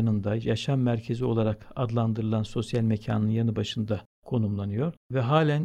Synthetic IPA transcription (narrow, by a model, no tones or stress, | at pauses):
nɯnd̪ajaʃamːæɾcʰe̞zio̞lˠaɾakad̪lˠand̪ɯɾɯlˠanso̞sjalʲmecʰa̰ːnɯnjanɯbaʃɯnd̪a | kʰo̞numlˠanɯjo̞ɾvɛɦaːlʲæn